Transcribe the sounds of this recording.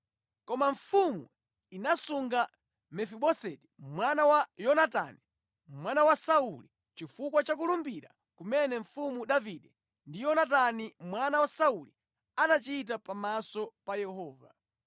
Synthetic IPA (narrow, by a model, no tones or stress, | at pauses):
kɔmaɱ̩fumu | inasuŋɡa | mɛfiɓɔsɛtimwanawajɔnata̰ni | mwanawasauli | t͡ʃifukwat͡ʃak̬ulumbiɾa̰ | kumɛnɛɱ̩fumuɗaviɗɛ | ndijɔnat̬animwanawasauli | anat͡ʃit̬apamasɔpajɛhɔːva̰